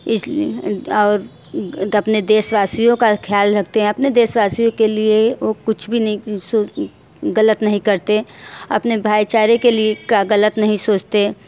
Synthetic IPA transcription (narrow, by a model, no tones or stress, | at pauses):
ɪsː | ɾ | ɐpned̪eːʃʋaːsijõkakʰjaːlɾɐk̚ʰt̪eɦɛ̃ɐpned̪eːʃʋaːsijõkelieʋoːkʊt͡ʃʰbʱinɐɦĩsoː | ɣɐlət̪nɐɦĩkɐɾt̪eɐ̰pnebʱaːjt͡ʃaːɾekeliekaɣɐlət̪nɐɦĩsoːt͡ʃt̪e